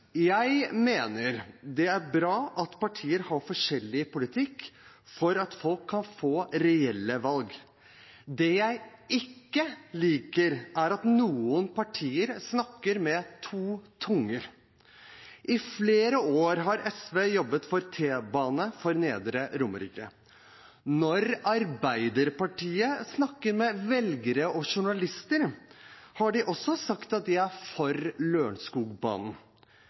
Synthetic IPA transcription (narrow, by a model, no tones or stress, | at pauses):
jæɪmeːnəɾd̪ɛæɾbɾɑːʔɑt̪pɑʈʰiːəɾhɑɾfɔʂɛlːɪpʊlɪt̪ʰɪkː | fɔɾɑt̪fɔlkʰːɑnfoːɾɛɛlːəʋɑlɡ | d̪ɛjæɪɪkːəliːkəɾʔæɾɑt̪nuːənpʰɑʈʰiːəɾsnɑkːəɾmɛt̪ʰuːt̪ʰʊŋːəɾ | ʔɪfleːɾəoːɾɦɑɾɛsʋeːjɔbːət̪fɔɾt̪ʰeːbɑːnəfɔɾneːd̪ɾəɾʊmə̰ɾḭːkə | nɔɾɑɾbæɪd̪əɾpɑʈʰiːəsnɑkːəɾmɛʋɛlɡəɾəɔʂʊɳɑlɪst̪əɾ | hɑɖɪʔɔsːɔsɑkt̪ɑt̪̚d̪ɪæɾfɔɾløːɳskuːɡbɑ̰ːnn̩